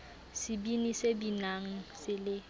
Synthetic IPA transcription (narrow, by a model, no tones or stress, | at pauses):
sɪbinisebinaŋ̩sɪlɪ